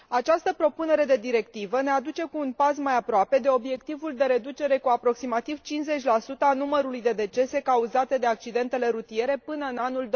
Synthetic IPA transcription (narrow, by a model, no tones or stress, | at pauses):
at͡ʃast̪əpɾo̞pune̞ɾe̞d̪e̞d̪iɾe̞kt̪ivəne̞ad̪ut͡ʃe̞kuːnpasmajapɾoape̞d̪e̞o̞bje̞kt̪ivuld̪e̞ɾe̞d̪ut͡ʃe̞ɾe̞kuapɾo̞ksimat̪iv̥t͡ʃinze̞t͡ʃʲlasut̪əanuməɾulujd̪e̞d̪e̞t͡ʃe̞se̞kauzat̪e̞d̪e̞ak̚t͡ʃid̪e̞nt̪e̞le̞ɾut̪ie̞ɾe̞pɨnəɨnanuld̪